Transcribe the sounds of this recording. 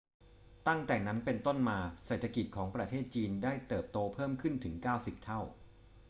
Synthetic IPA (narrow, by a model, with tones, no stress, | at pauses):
t̪a˥˩ŋt̪ɛː˨˩na˦˥npe˧nt̪o˥˩nmaː˧seː˨˩t̪ʰːa˧ki˨˩t̪̚kʰɔː˩˦ŋpɾa˧t̪ʰeː˥˩t̪̚t͡ɕiː˧ndaː˥˩jt̪ɤː˨˩p̚t̪oː˧pʰɤː˥˩mkʰɯ˥˩nt̪ʰɯ˩˦ŋkaː˥˩wsi˨˩p̚t̪ʰa˥˩w